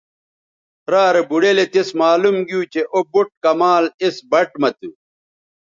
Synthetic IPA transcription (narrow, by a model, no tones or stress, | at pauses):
ɾaːɾebuɽelet̪esmaːlumɡiuːt͡ɕeʔobuʈ̚kɐmaːlisbɐʈmɐt̪u